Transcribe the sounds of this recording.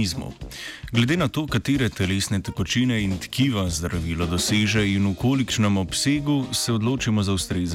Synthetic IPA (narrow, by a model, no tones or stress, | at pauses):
izmɔ̰ɡlɛd̪eːnat̪oːkat̪eːɾɛt̪ɛleːsnɛt̪ɛkɔt͡ʃinɛint̪kiːʋazd̪ɾaʋiːlɔd̪ɔseːʒɛinukoːlikt͡ʃnɛmɔpseːɡusɛɔd̪loːt͡ʃimɔzawst̪ɾeːz